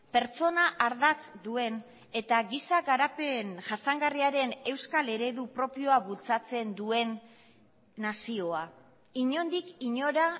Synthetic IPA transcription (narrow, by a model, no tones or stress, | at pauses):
pe̞ɾt͡so̞naʔaɾðat͡sd̪ue̞n | e̞t̪aɣisaɣaɾapenʝasaŋɡariaɾe̞ne̞wskale̞ɾe̞ðupɾo̞pio̞aβult͡sat͡se̞nd̪ue̞nː | asio̞a | iɲo̞nd̪ikiɲo̞ɾa